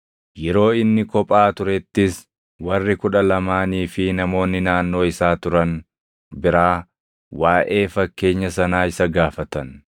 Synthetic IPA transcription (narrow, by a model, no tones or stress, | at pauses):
jɛɾo̞ːɪnːɪkɔpʼaːt̪ʊɾɛt̪ːɪs | wɐrːɪkʊᶑɐlɐmaːniːfɪnɐmo̞ːnːɪnaːnːo̞ːɪsaːt̪ʊɾɐn | bɪɾaː | waːʔe̞ːfɐkːe̞ːɲːɐsɐnaːɪsɐɡaːfɐt̪ɐn